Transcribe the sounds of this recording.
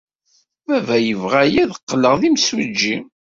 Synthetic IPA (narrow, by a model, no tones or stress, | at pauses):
vævæjəvʁæjiðəqːəlːəʁðimswid͡ʒːi